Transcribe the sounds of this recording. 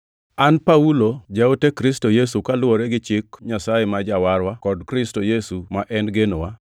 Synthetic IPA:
anpaulod͡ʒaotekɾistojesukalwoɾeɡɪt͡ʃɪkɲasajemad͡ʒawaɾwakɔdkɾɪstojesumaʔɛnɡenowa

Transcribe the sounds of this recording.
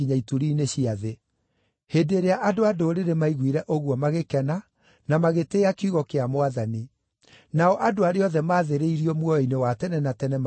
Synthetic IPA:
iɲaituɾiːneɕiaðe | heːdeɾeaʔadoadoːɾeɾemaiɣwiɾɛʔoɣwɔmaɣekɛna | namaɣeteːakeuɣɔkeamowaðani | naɔʔadoaɾeɔðɛmaːðeɾeiɾiɔmwɔjɔinewatɛnɛnatɛnɛm

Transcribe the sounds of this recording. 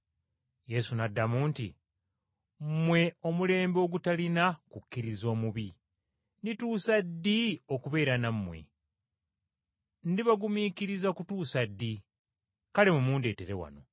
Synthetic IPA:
je̞sunadːamuːntḭ | mwe̞o̞mule̞ːmbo̞ːɡutalinakukːiɾizo̞ːmuβi | nituːsadːio̞kuβe̞ːɾanamːwe̞̰ | ndiβaɡumiːkiɾizakutuːsadːi | kalemumuːnde̞ːte̞ɾe̞wa̰no̞̰

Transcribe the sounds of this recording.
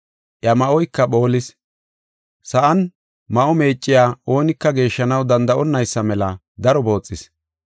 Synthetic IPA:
ʔjɐmɐʔɔjkːɐɓo̞ːlɪs | sɐʔɐn | mɐʔɔme̞ːt͡ʃʼːɪjaːo̞ːnɪkːɐɡe̞ːʃːɐnɐwd̪ɐnd̪ɐʔɔnːɐjsːɐmɛlɐ | d̪ɐɾɔbo̞ːt͡sʼːɪs

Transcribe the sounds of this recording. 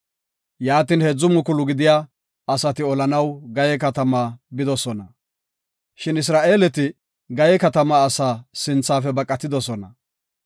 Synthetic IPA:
jaːt̪iːnhɛd͡zːʊmʊkʊlʊɡɪd̪ɪjaː | ɐsɐt̪ɪɔlɐnɐwɡɐjɛkɐt̪ɐmaːbɪd̪ɔsɔnɐ | ʃɪnɪs̬ɾaːʔe̞ːlɛt̪ɪ | ɡɐjɛkɐt̪ɐmaːsaːsɪnt͡sːaːfɛbɐkʼːɐt̪ːɪd̪ɔsɔnɐ

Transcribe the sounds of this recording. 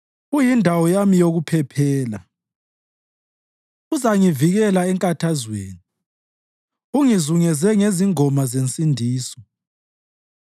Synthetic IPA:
ujindʱawɔjamijoɣupʰɛpʰɛːla | uzaŋiviɣɛlaɛŋkʼatʰazwḛːni | uŋizuŋɛzɛŋeziŋɔmazent͡sʼindʱiːsɔ̥

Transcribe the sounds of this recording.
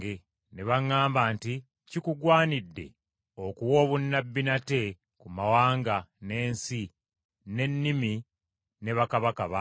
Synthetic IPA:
e | neβaŋːaːmbaːnti | cikuɡwaːnidːe̞̰ | okuwo̞ːβunːabːinate̞ | kumawaːŋɡane̞ːnsi | ne̞nːimi | ne̞βakaβakaβa

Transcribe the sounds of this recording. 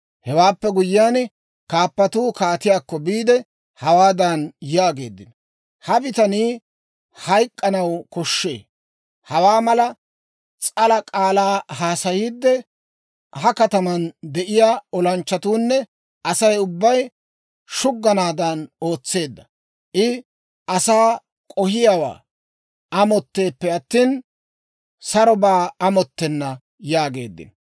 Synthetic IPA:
hɛwaːpːɛɡʊjːaːn | kaːpːɐt̪uːkaːt̪ɪjaːkːɔbiːd̪ɛ | hɐwaːd̪ɐnjaːɡe̞ːd̪ːɪn | hɐbɪt̪ɐniː | hɐjkʼːɐnɐwkɔʃːe̞̰ː | hɐwaːmɐlɐ | t͡sʼɐlɐkʼaːlaːhaːsɐjiːd̪ːɛ | ɦɐkɐt̪ɐmɐnd̪ɛʔɪjaːɔlɐnt͡ʃːɐt̪uːnːɛ | ʔɐsɐjʊbːɐj | ʃʊɡːɐnaːd̪ɐno̞ːt͡sːe̞ːd̪ːɐ | ʔɪ | ʔɐsaː | kʼɔhɪjawa̰ː | ɐmɔt̪ːe̞ːpːɛɐt̪ːiːn | sɐɾɔbaːɐmɔt̪ːɛnːɐ | jaːɡe̞̰ːd̪ːɪ̰n

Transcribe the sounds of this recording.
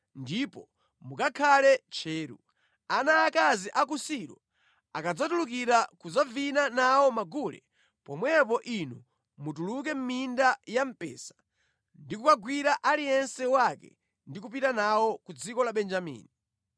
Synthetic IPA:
ndipɔ | mukakʰalɛt͡ʃʰɛːɾṵ | anaːkaziʔak̬usiɾɔ | akad͡zatulukiɾakud͡zavinanawɔmaɡulɛ̰ | pɔmwɛp̬ɔʔinu | mutuluk̬ɛm̩mindajam̩pɛ̰ːsḁ | ndikukaɡwiɾaʔalijɛnsɛwakɛ̰ | ndikup̬itanawɔkud͡zikɔlaɓɛnd͡ʒamḭːni

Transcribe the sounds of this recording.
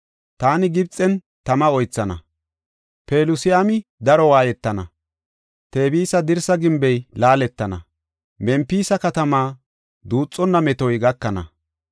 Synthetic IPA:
t̪aːnɪɡɪbt͡sʼːɛn | t̪ɐmɐɔjt͡sːɐnɐ̰ | pe̞ːlʊsɪjamɪd̪ɐɾɔwaːjɛt̪ːɐnɐ | t̪e̞ːbiːsɐd̪ɪɾsɐɡɪmbɛjlaːlɛt̪ːɐnɐ̰ | mɛmpːiːsɐkɐt̪ɐmaː | d̪uːt͡sʼːɔnːɐmɛt̪ɔjɡɐkːɐnɐ̰

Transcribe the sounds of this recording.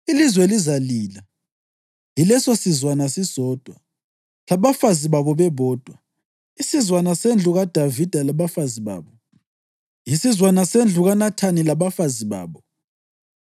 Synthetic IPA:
ilizwɛlizaliːla | ilɛsosizwanasisɔːd̥ʱwa | laβafaziβaβɔβɛβɔːd̥ʱwa | isizwanasend͡ɮʱuɣad̥ʱavid̥ʱalaβafaziβa̰ːβɔ | jisizwanasend͡ɮʱuɣanatʰanilaβafaziβa̰ːβɔ

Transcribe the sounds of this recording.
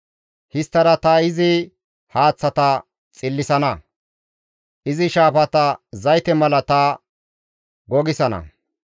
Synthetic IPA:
hɪst̪ːɐɾɐt̪ɐɪzɪ | haːt͡sːɐt̪ɐ | t͡sʼɪlːɪsɐnɐ | ʔɪzɪʃaːfɐt̪ɐzɐjt̪ɛmɐlɐt̪ɐ | ɡɔɡɪsɐnɐ̰

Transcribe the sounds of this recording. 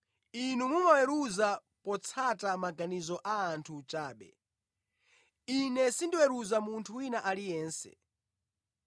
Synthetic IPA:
inumumawɛɾuza | pɔt͡sʰatamaɡanizɔʔaːntʰut͡ʃaːɓɛ̰ | inɛsindiwɛɾuzamuntʰuwinaʔalijɛːnsɛ̰

